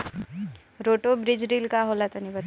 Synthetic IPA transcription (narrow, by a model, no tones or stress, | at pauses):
ɾoːʈobɾɪd͡ʒɾilkaɦolat̪ɐnibə